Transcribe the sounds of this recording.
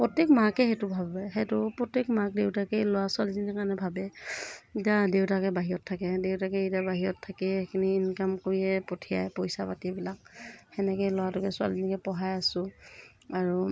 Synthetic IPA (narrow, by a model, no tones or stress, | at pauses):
pɹɔtekmakɛxetʊbʱabajɦetʊpɹɔtekmak̚dewtakɛjlowasʊalizinɛkanɛbʱabɛitadewtakɛbaɦiɹɔtʰːakɛdewtakɛitabaɦiɹɔtʰːakɛekʰiniːnkamkoɹiɛpɔtʰija̰jpɔjsapatibilak̚hɛnɛkɛlɔwatʊkɛsʊa̰lizinikɛpɔɦajasʊ̃ | aɹu